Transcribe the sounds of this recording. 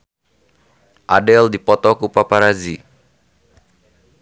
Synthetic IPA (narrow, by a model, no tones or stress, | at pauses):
ʔadɛldipɔt̪ɔkupapaɾazi